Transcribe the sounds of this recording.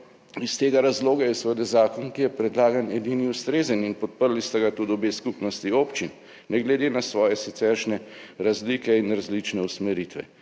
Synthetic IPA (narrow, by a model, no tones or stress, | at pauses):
ist̪eːɡaɾazloːɡajɛsʋəd̪ɛzaːkɔnkijɛpɾɛd̪laːɡanɛd̪iːniust̪ɾeːzəninpɔt̪̚pəɾlist̪ɛɡat̪ud̪obeːskupnɔst̪ioːpt͡ʃinː | ɛɡlɛd̪eːnasʋɔːjɛsit̪sɛɾʃnɛɾazlikɛinɾazlit͡ʃnɛusmɛɾit̪ʋɛ̰